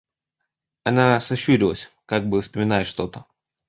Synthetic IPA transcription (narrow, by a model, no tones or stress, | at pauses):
ɐnasɐɕːuɾʲɪlˠəsʲ | kaɡ̚bɨfspəmʲɪnajɪʂt̪o̞t̪ə